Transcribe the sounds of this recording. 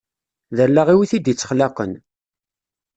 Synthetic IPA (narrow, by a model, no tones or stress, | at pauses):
ðəlːaʁiwiθid̪jit͡sːə̥χlaqə̰n